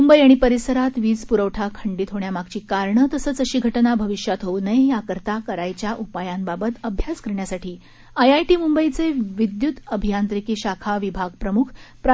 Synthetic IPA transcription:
mumbəjaɽ̃ipəɾisəɾat̪ʋiːd͡zpuɾəʋʈʰakʰəɳɖiːt̪ɦoɳjamaɡ̚t͡ɕiːkaɾɳət̪əsəːt͡səɕiːɡʱəʈnabʱəʋiɕjat̪ɦownəjakəɾt̪akəɾajt͡ɕjaʔupajambabət̪əbʱjaskəɾɳjasaʈʰiː | əjajʈiːmumbəjt͡seʋid̪jut̪əbʱijant̪ɾikiːɕakʰaʋibʱaɡ̚pɾəmukʰpɾ

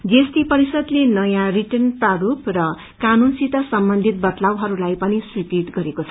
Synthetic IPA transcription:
ɡest̪ipʌɾisʌd̪lenʌjãriʈʌrnpaɾuprʌ | kanunsit̪ʌsʌmbʌnd̪ʱit̪̚bʌt̪lawɦʌɾulajpʌniswikiʈ̪ɡʌɾekot͡sʰʌ

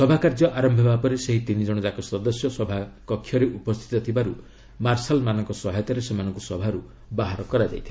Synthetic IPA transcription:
sɔbʱakaɾd͡ʒɔʔaɾɔmbʱebapɔɾeseɦit̪inid͡ʒɔɽ̃ɔd͡ʒakɔsɔd̪ɔsjɔsɔbʱakɔkʰːjɔɾeʔupɔst̪ʰi̥t̪ɔt̪ʰibaɾu | maɾsalmanɔŋkɔsɔɦɔjt̪ɔɾesemanɔŋkusɔbʱaɾu | baɦaɾɔkɔɾad͡ʒa̰jt̪ʰi̥

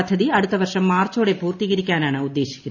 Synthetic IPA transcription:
ɐd̪ʱːɐðiɐɽut̪ːɐʋɐrʂɐmːaːrt͡ɕo̞ːɽe̞puːrt̪iɣɐɾikʲːaːnaːɳɨud̪ːe̞ːɕi̥kʲːunɐ

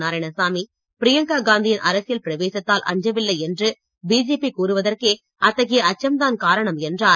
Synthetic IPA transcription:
aːɾɐɪnɐsaːmi | pɪɾɪjɐŋkaːɡaːnd̪ɪjɪnʔɐɾɐsɪjɐlpɪɾɐʋeːsɐt̪ːaːlʔɐ̰ɲd͡ʒɐʋɪlːɐɪɛndrɯ | biːd͡ʒeːpikuːɾɯʋɐðɐrkeː | ɐt̪ːɐɣɪjɐɐt͡ʃːɐmd̪aːnkaːɾɐɳɐmɛndraː

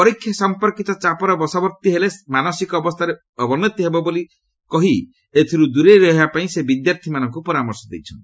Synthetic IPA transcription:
pɔɾikʰːjɔsɔmpɔɾkit̪ɔt͡ʃapɔɾɔbɔsɔbɔɾt̪iɦelemanɔsikɔːbɔst̪ʰaɾe | ɔbɔnɔt̪iɦebɔboli | kɔɦi | et̪ʰiɾud̪uɾeɾɔɦebapaĩsebid̪jaɾt̪ʰimanɔŋkupɔɾamɔɾsɔd̪ḛjt͡ʃʰɔnt̪i̥

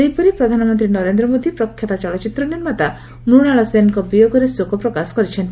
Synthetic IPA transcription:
ejpɔɾipɾɔd̪ʱanɔmɔnt̪ɾinɔɾend̪ɾɔmod̪ipɾɔkʰːjat̪at͡ʃɔɭɔt͡ʃit̪ɾɔniɾmat̪a | nuɽaɭɔsenŋkɔbijoɡɔɾesokʰɔpɾɔkasɔ̥kɔɾit͡ʃʰɔnt̪i

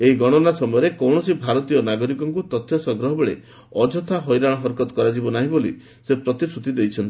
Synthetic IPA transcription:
eɦiɡɔɽ̃ɔnasɔmɔjɔɾekɔwɳ̃ɔsibʱaɾɔt̪ijɔnaɡɔɾikɔŋkut̪ɔt̪ʰːjɔsɔɡɾɔɦɔbeɭḛ | ɔd͡ʒɔt̪ʰaɦɔjɾãɔɦɔɾkɔt̪kɔɾad͡ʒibɔnaɦĩbolḭ | sepɾɔt̪isɾut̪id̪ejt͡ʃʰɔnt̪i̥

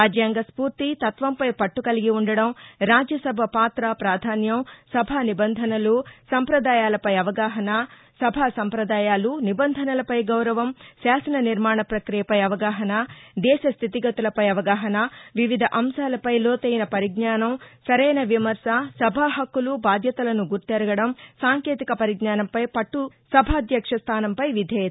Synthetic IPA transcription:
aːd͡ʒjaːŋɡɐspuːɾt̪it̪ɐt̪ʋɐmpɐjpɐʈːukɐliɡiuɳɖɐɽɐmɾaːd͡ʒjɐsɐbʱɐpaːt̪ɾɐpɾaːd̪ʱaːnjɐmsɐbʱaːnibɐnd̪ʱɐnɐlusɐmpɾɐd̪aːjaːlɐpɐjɐʋɐɡaːɦɐnɐ | sɐbʱasɐmpɾɐd̪aːjaːlunibɐnd̪ʱɐnɐlɐpɐjɡɐwɾɐʋɐmsaːsɐnɐniɾmaːɳɐpɾɐkɾijɐpɐjɐʋɐɡaːɦɐnɐd̪ɛːʃɐst̪ʰit̪iɡɐt̪ulɐpɐjɐʋɐɡaːɦɐnɐʋiʋid̪ʱɐʔɐmʃaːlɐpɐjloːt̪ɐjinɐpɐɾiɡnaːnɐmsɐɾɛjnɐʋimɐɾsɐsɐbʱaːɦɐkːulubaːd̪ʱjɐt̪ɐlɐnuɡuɾt̪ɛɾɐɡɐɽɐmsaːŋkeːt̪ikɐpɐɾiɡnaːnɐmpɐjpɐʈːu | sɐbʱaːd̪jɐkʂɐst̪ʰaːnɐmpɐjʋid̪ʱɛːjɐt̪ː

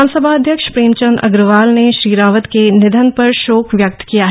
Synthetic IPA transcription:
ansəbʱaːɐd̪ʱjəkʃpɾeːmt͡ʃənɐ̰ɡɾəʋaːlneʃɾiːɾaːʋət̪kenɪd̪ʱənpɐɾʃoːkʋjɐk̚t̪kijaɦ

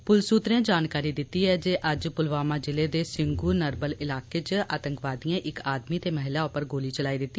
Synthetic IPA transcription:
pʊlsuːt̪ɾẽːd͡ʒaːnkaːɾiːd̪ɪt̪ːiːɦɛːd͡ʒeːʔəd͡ʒpʊlʋaːmãːd͡ʒɪleːd̪eːsɪŋɡuːnəɾbəlɪlaːkeːt͡ʃʔa̰ːt̪əŋkʋaːd̪ijãːʔɪkaːd̪miːt̪eːməɦɪlaːʊpəɾɡoːliːt͡ʃəlaːiːd̪ɪt̪ːi

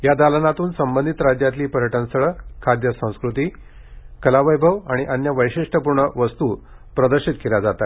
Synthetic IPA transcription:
jad̪alənat̪uːnsəmbənd̪ʱit̪ɾad͡ʑjat̪liːpəɾjəʈənsəɭəkʰad̪jəsə̃w̃skɾut̪iː | kəlaʋəjbʱəʋaɽ̃iʔənjəʋəjɕiʂʈəpuɾɳəʋəst̪uː | pɾəd̪əɾɕit̪kelad͡zat̪a

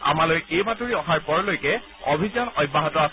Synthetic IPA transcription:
a̰malojejbatoɹiɔɦaɹpɔɹɔlojkɛ | obʱizɔnɔjbːaɦɔtɔas

